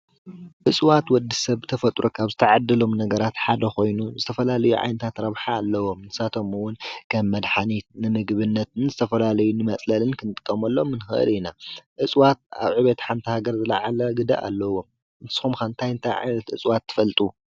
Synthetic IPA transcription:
ʔɨt͡sʼwat̪wɔd̪ːisɐβɨt̪ʰɐfɐt̪ʼɾʔokʰaβzɨt̪ʰɐʕad̪ːɨlo̞mnɐɡɐɾat̪ħad̪ɐxo̞jnuzɨt̪ʰɐfɐlalɐjuʕa̰jnɐt̪ʰat̪ɾɐβħaːlːɐwo̞mnɨ̥sat̪ʰo̞mɨwʊnkʰɐmːɐd̪ħanit̪nɨmɨɡβɨnːɐt̪nzɨt̪ʰɐfɐlalɐjunɨmɐt͡sʼlɐlɨnkʰɨnɨt̪ʼɨ̥kʼːɐmɐlːomːɨnɨxɨ̰ʔɨ̰linaʔɨt͡sʼwat̪̚a̰βʕɨβet̪ħamt̪ʰihaɡɐɾzɨla̰ʕalɐɡɨd̪a̰ʔa̰lːɐwo̞m | ɨnsɨ̥xumkant̪ʰajɨnt̪ʰajʕa̰jnɐt̪ʔɨt͡sʼwat̪ʰːɨ̥fɐlt̪ʼu

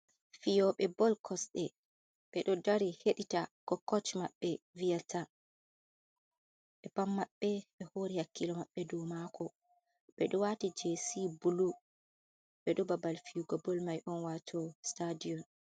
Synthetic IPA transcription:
fijɔɓɛbɔlkʰɔsɗɛ | ɓ̥ɛɗɔdaɾiheɗitakɔkːɔt͡ʃmaɓːɛ | vijatʰa | ɓɛpamːaɓːɛɓɛhoɾihakːilɔmaɓːɛduːmakʰɔ | ɓɛɗɔwatid͡ʒesibulu | ɓɛɗɔbabalfijuɡɔbɔlmajʔɔnwatʰɔstadijɔn

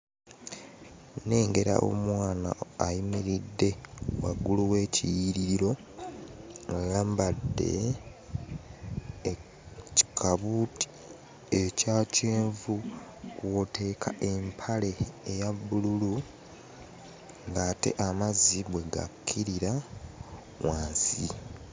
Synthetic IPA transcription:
ne̞ːŋɡe̞ɾa̰ʔo̞̰mwaːna̰ːjimiɾidːe̞wa̰ɡuluwe̞ːcijiɾiɾiɾo̞ | ŋɡalaːmbadːe̞̰ | ci̥kʰaβuti̥ | ecaːceːɱvukwotʰe̞ːkʰaʔe̞mpʰale̞ːjabːululu | ŋɡaːte̞̰ʔamaziβwe̞ɡa̰kʰːiɾiɾa | waːnsi

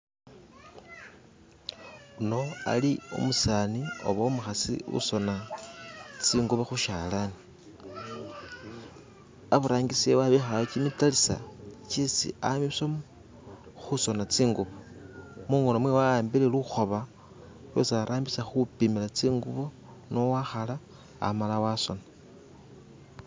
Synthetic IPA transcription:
uno̞a̰liṵmusaːnio̞̰βaomuxasḭṵso̞na | t͡siːŋɡuβaxuʃalani | aβuɾaːŋɡisewaβexalat͡ʃimitalisa̰t͡ʃisḭamisom | xuso̞nat͡siːŋɡuβomuŋonomwewajaːmbileluxo̞βa | lwḛsaɾʔaːmbisaxupimilat͡siːŋɡuβo | no̞waxala̰ː | malawaso̞̰na

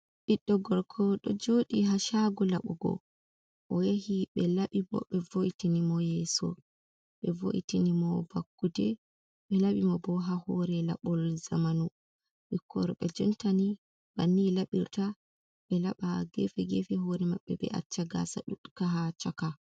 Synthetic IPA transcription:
ɓiɗːɔɡɔɾkʰɔɗɔd͡ʒoɗiɦaʃaɡɔlaɓɔɡɔ̰ | ʔɔjahiɓɛlaɓibɔ̰ɓɛvoʔitinimɔjɛsɔ̰ | ɓɛvo̰ʔitinimɔbakːudɛ | ɓɛlaɓimɔbɔɦahɔɾɛla̰ɓɔlzamanu | ɓikʰːɔ̰ɾɔɓɛd͡ʒɔntani | b̥anːilaɓiɾta | ɓɛlaɓaɡɛfɛɡɛfɛɦoɾɛmaɓːɛɓɛ̰ʔa̰t͡ʃːaɡa̰sa̰ɗuɗkaɦat͡ʃaka

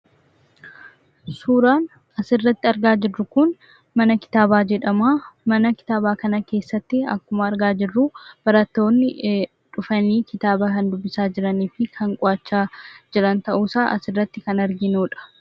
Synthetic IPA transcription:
suːɾaːn | ɐsɪrːɐt̪ːɪɐɾɡaːd͡ʒɪrːʊkʊn | mɐnɐkɪ̥t̪aːbaːd͡ʒɛᶑɐmaːmɐnɐkɪ̥t̪aːbaːkɐnɐke̞ːsːɐt̪ːɪɐ̰kːʊmɐɐɾɡaːd͡ʒɪrːʊb̥ɐɾɐt̪ːo̞ːnːɪ | ᶑʊfɐniːkɪt̪aːbɐkɐnd̪ʊbːɪsaːd͡ʒɪɾɐniːfɪkʰɐŋkʼɔɐt͡ʃːaːd͡ʒɛᶑɐnt̪ɐʔuːsaːʔɐ̰sɪrːɐt̪ːɪkɐnɐɾɡɪnuːᶑɐ̥

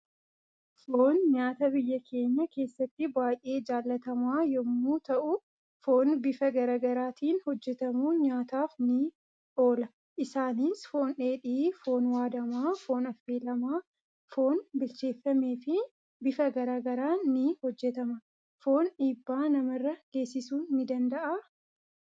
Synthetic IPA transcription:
foːnɲaːt̪ɐbɪjːɐkʰe̞ːɲːɐke̞ːsːɐt̪ːɪbaːjʔe̞ːd͡ʒaːlːɐt̪ɐmaːjɔmːuːt̪ɐʔʊ | fo̞ːnbɪfɐɡɐɾaːɡɐɾaːt̪ʰiːnhɔd͡ʒːɛt̪ɐmuːɲaːt̪aːfnɪ | ᶑo̞ːlɐ | ʔɪsaːniːsfo̞ːnᶑe̞ːᶑiːfo̞ːnwaːd̪ɐmaːfo̞ːnɐfːeːlɐmaː | fo̞ːnbɪlt͡ʃe̞ːfːɐme̞ːfɪ | bɪfɐɡɐɾaːɡɐɾaːnɪhɔd͡ʒːɛt̪ɐmɐ | fo̞ːnᶑiːbːaːnɐmɐrːɐɡ̥e̞ːsːɪsuːnːɪd̪ɐnd̪ɐʔaː

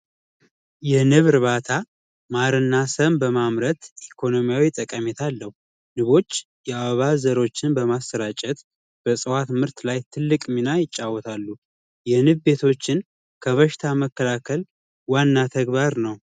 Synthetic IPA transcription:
jɛnɨβɾɨβat̪ʰa | maɾɨnːasəmbəmamɾət̪ʔikʰo̞no̞mijawit̪ʼːəkʼːəmet̪ʰalːəhu | nɨβo̞t͡ʃː | jɛaβəβazəɾo̞t͡ʃːɪnbəmastəɾat͡ʃʼɛt̪ | b̥əsʼɨwat̪mɨɾt̪lajt̪ʰɨlːɨkʼminajɪt͡ʃʼːawːɔt̪ʰalːu | jɛnɨβbe̞t̪ʰo̞t͡ʃːɪn | kʰəβəʃɪt̪ʰaməkːəlakʰəl | wanːat̪ʰəɡβaɾnəw

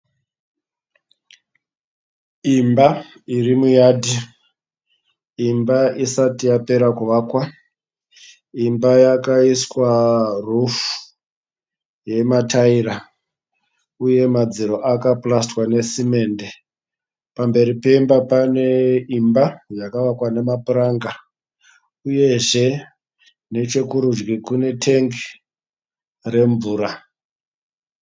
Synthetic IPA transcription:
imba | irimujaːdʱi | imbaisatijape̞ɾakuʋaːkwa | imbajakaiswarufu̥ | je̞mataiɾa | uje̞mad͡ziɾo̞ʔakaplastwane̞sime̞ːnde | pambe̞ɾipe̞imbapane̞imbajakaʋakwane̞mapuɾaŋɡa | uje̞ʐe̞ | ne̞t͡ʃe̞kuɾud͡ʒɡikune̞tʰeŋɡ | re̞ɱvuːɾa

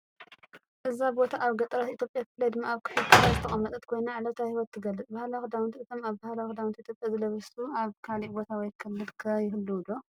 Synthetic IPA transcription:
ʔɨzabo̞t̪ʰaʔaβɡɐt̪ʼɐɾat̪ʔit̪jo̞pʼjakɨflːɐd̪ɨmːaaβkʰɨ̥ħɨd̪kʰɨlazɨt̪ʰɐχʼɐmːɐt̪ʼɐt̪̚kʰo̞jnaʕlɐt̪ʰahiwɔt̪ʰːɨɡɐlːɨt͡s̪ʼbahlaxɨd̪awnt̪ʰɨt̪ʰo̞maβbahlawxd̪awnt̪it̪ʰjopʼjazɨlɐβɐsuaβkʰalibo̞t̪ʰawɔjkʰɨlːɨd̪kʰɐjɪhɨlːɨwd̪o̞

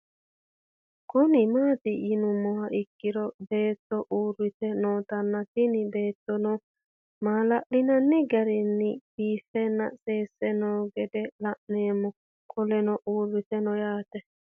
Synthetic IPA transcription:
kʊnɪmaːt̪ijinʊmːɔhaʔɪkːɪɾɔbeːt̪ːɔʔuːrɪt̪ɛnoːt̪ɐnːat̪inɪbeːt̪ːɔnɔ | maːlaʔlɪnɐnːɪɡɐɾɪnːɪb̥iːfɛnːɐ̰seːsːɛnɔːɡɛd̪ɛlaʔneːmːu | kʰʼɔlɛnɔʔuːrːɪt̪ɛnɔjaːt̪ɛ

